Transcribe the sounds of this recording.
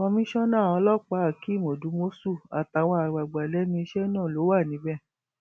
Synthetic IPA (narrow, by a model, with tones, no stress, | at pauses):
ɔ̃˧mĩ˦ʃɔ̃˦nãː˦˨ɔ̃˧lɔ˦k͡pa˨˦a˨ki˨˦˨mo˨du˨˦mo˦su˦˨a˨ta˨w̃ɔ̃˧a˨ɡ͡ba˨ɡ͡ba˨lɛ˨˦mĩ˧i˧ʃɛ˦nãː˦˨lo˨˦wa˦˨nĩ˨˦bɛ˦˨